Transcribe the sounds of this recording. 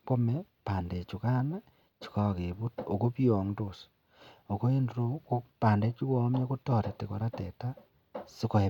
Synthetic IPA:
komepaːndet͡ʃukana | t͡ʃi̥kaakeβuokuβioŋdoso̥ | okoenduɾokpaːndet͡ʃiβomjekutoɾetikoɾateta | sikoe

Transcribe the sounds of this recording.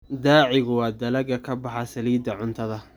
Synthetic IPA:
d̪aːʕɪɣʊwɑːd̪ɐlɐɡɐkʰɐbɑħɑsɐliːd̪ɐʕʊnt̪ʰɐðɐ

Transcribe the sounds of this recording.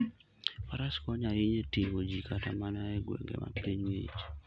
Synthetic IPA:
paɾaskɔɲaiɲetiwod͡ʒikatamanaɛɡwḛŋɡɛ̰ma̰piɲŋeit͡ʃ

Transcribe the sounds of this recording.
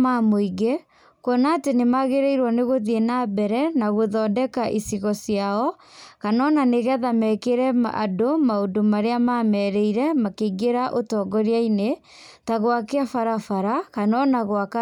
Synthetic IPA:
amoiɡe | kwɔnaːtenemaɣeɾeiɾwɔneɣoðienabɛɾɛnaɣoðɔːdɛkaʔisiɣɔsiaɔ | kanɔnaneɣaðamɛkeɾɛa̰domaodomaɾeamamɛɾɛiɾɛmakeiɡeɾaʔotɔːɡɔɾiaine | taɣwakeafaɾafaɾakanɔnaɣwaka

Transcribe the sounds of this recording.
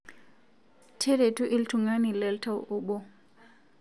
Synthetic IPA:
tʰɛɾɛtuʔiltuŋanilɛltawʔɔɓɔ

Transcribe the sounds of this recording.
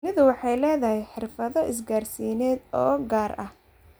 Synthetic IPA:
nɪðʊwɑħɑjlɛːðɐhɛjħɪrfɐðɔʔɪs̬ɡaːrsiːnɛːd̪ɔːɡaːrʔɐ̰h

